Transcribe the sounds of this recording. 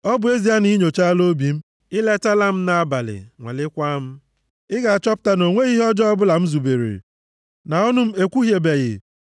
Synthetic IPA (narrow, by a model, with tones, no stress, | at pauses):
ɔ˦bʊ˨e˦zi˨a˦ni˦ɲo˨t͡ʃa˦a˦lo˦bi˨m̩˦ | ɪ˦le˦ta˦la˦m̩˦na˨a˦ba˨lɪ̰˨ŋʷḛ˨lɪ˦kʷa˦m̩˦ | ɪ˦ɡa˨a˨t͡ʃɔ˦pʊ̥˦ta˦no˨ŋʷe˦ɣi˦ɦɔ˦d͡ʒɔ˦ɔ˦bʊ˦la˨m̩˦zu˨be˨ɾḛ˨ | na˨ɔ˦nʊ˦m̩˦e˦kʷu˦ɦje˨be˨ɣɪ̰˨